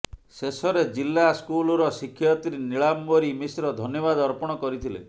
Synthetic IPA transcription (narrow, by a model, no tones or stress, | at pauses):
sesɔɾed͡ʒilːaskulɔɾɔsikʰːjɔt̪ɾiniɭambɔɾimisɾɔd̪ʱɔnjɔβad̪ɔɾpɔɽ̃ɔkɔɾit̪ʰilḛ